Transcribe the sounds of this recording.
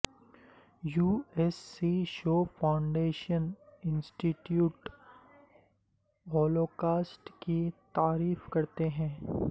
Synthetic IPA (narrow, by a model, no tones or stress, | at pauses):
juːɛsːiʃoːfʰaʊ̃ɳɖeːʃənɪ̃nsʈiʈjuːʈ | ɔːloːkaːsʈkit̪aːɾiːfkɐɾt̪eɦɛ̃ː